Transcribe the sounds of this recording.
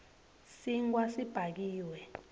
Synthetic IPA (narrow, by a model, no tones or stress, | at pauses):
siŋk̬wasib̥ʱak̬iːwɛ